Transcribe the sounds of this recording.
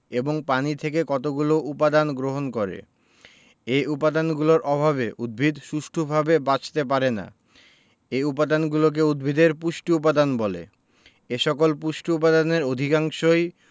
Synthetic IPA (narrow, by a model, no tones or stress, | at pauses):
eboŋpanit̪ʰekekɔt̪oɡuloupad̪anɡɾoɦonkoɾḛ | eupad̪anɡuloɾʔɔbʱaβeʔud̪̚bʱid̪ʃuʃʈʰobʱabebat͡ɕʰt̪ep̬aɾena̰ | eupad̪anɡulok̬eud̪̚bʱid̪eɾpuʃʈiup̬ad̪anbɔlḛ | eʃɔkolpuʃʈiup̬ad̪aneɾod̪ʱikaŋʃoj